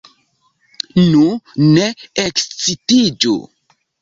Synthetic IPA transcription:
nuneekst͡sitid͡ʒṵ

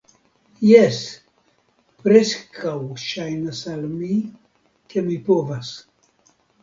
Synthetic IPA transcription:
jes | pɾeskʰawʃajnasalmi | kemipovas

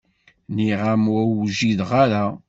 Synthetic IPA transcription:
niʁamwæwʒiðʁaɾa

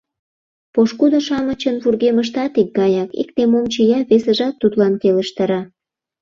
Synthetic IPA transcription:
poʃkud̪oʃɑmət͡ɕənβurɣeməʃ̬t̪ɑt̪ik̚ɡɑjɑkḭk̚t̪emomt͡ɕijɑβesə̆ʒɑt̪ːut̪lɑnkeləʃt̪ɑɾɑ

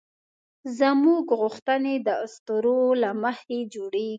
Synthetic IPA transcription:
zəmuɡɣʊxt̪əned̪əʊst̪əɾolaməhed͡ʒoɽeɡ

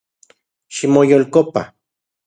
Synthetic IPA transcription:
ʃimojolkopa̰

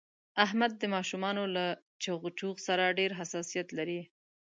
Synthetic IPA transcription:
aɦmad̪ːəmɑʃumɑnola | t͡ʃaɣt͡ʃuɣsaɾaɖeɾɦasɑsijat̪laɾi

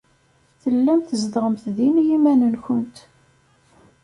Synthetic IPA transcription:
θəlːæmθəzd̪ʁəmθðinjimænənçənt̪

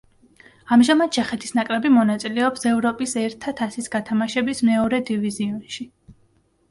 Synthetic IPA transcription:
amʒamad̪̚t͡ʃʰɛχɛt̪ʰi̥snakʼɾɛbimɔnat̪sʼilɛɔpsɛvɾɔpʼisɛɾt̪ʰat̪ʰasisɡat̪ʰamaʃɛbismɛɔɾɛd̪iviziɔnʃi

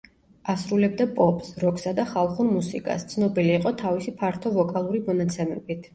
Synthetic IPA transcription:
asɾulɛb̚d̪apʼɔpʼsɾɔksad̪aχalˠχuɾmusikʼa̰st̪sʰnɔbiliːqʼɔt̪ʰavisipʰaɾt̪ʰɔvɔkʼalˠuɾimɔnat̪sʰɛmɛbit̪ʰ

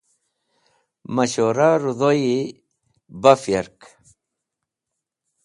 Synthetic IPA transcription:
maɕoɾaɾuðoji | bafjaɾk

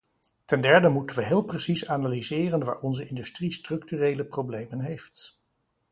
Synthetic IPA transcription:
tɛndɛɹdəmutənʋəɦɪːlˠprəsisanaːlizɪːrənʋa̰ːɹɔnzəɪndystristrɵk̚tyrejləprowblejmənɦejft

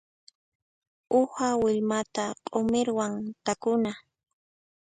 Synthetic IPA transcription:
ʊhawɪʎmat̪aqʼomɪɾwaŋt̪akʊna

